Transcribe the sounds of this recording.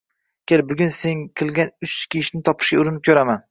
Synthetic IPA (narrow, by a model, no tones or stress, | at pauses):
kʲʰelbʊɡʲʊnseŋkʲʰɪlˠɡʲanʊt͡ʃkʲʰiʃnɪt̪ʰɒpʰɪ̥ʃɡʲaʊɾɪnɪkʰʲɵɾaman